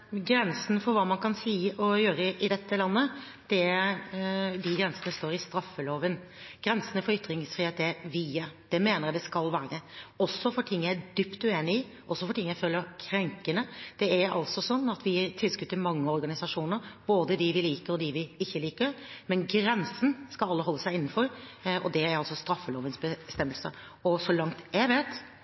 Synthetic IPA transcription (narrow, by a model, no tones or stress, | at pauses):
ɡɾɛnsən̩fɔɾʋɑːmɑnkʰɑnsiːɔjøːɾəəʔɪd̪ɛt̪ːəlɑnːə | d̪̥ɛæɾd̪ɪɡɾɛnsənəst̪oːɾɪst̪ɾɑfːəloːʋən | ɡ̥ɾɛnsənəfɔɾʏt̪ːɾɪŋsfɾiːeːt̪æʋiːəd̪̥ɛmeːnəɾjæd̪ɛskɑlʋæːɾəɔsːɔfɔʈʰɪŋːææd̪yːpt̪ʉeːnɪɪ | ʔɔsːɔfɔʈʰɪŋːjæɪføːlːəɾkʰɾɛŋkənəd̪̥ɛæɾɑ̰lsɔsɔnːɑt̪ʋɪt̪ʰɪlskʉt̪ːəmɑŋːəɔɾɡɑnɪsɑʂuːnəɾb̥oːd̪əd̪ɪʋɪliːkəɾɔd̪ɪʋɪɪçːəliːkəɾmɛnɡɾɛnsən̩skɑlɑlːəɦɔlːəsæɪɪnːn̩fɔɾɔ̰d̪ɛæɾɑlsɔst̪ɾɑfːəloːʋənsbəst̪ɛmːəlsə̰ | ɔsɔlɑŋt̪jæʋeːt̪